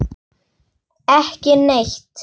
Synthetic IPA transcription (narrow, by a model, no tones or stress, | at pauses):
ɛhcɪneçt̪